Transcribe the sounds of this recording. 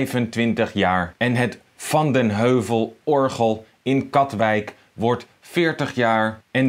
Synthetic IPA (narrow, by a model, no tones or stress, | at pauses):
jvəntʋɪntəχjaːɹɛnɦət | fɑndənɦøɥvəlˠɔɹχəlˠ | ɪnkɑtʋɛjk | ʋɔɹt | fɪːɹtəχjaːɹɛn